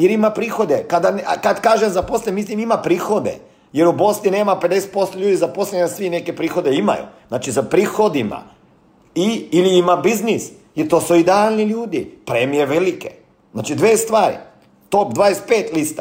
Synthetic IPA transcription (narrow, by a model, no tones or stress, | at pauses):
jeɾimapɾiːxo̞d̪ekad̪ankad̪kaːʒemzaposlemislimimapɾiːxo̞d̪ḛ | je̞ɾubosnineːmape̞d̪ese̥t̪po̞st̪oʎuːd̪izapo̞slʲeasʋineke̞pɾiːxo̞d̪eima̰jṵznaːt͡ʃizapɾiːxo̞d̪ima̰ | iiliimabiznis | jeɾt̪o̞ːsuid̪ealˠniʎuːd̪ipɾemijeʋelikḛ | zna̰ːt͡ʃid̪ʋeːst̪ʋaːɾḭ | t̪opd̪ʋaːd̪espeːt̪list̪ḁ